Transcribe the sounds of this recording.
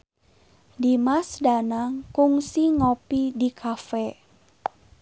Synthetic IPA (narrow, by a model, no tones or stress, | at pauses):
dimasdanaŋkuŋsiŋopidikʰafɛ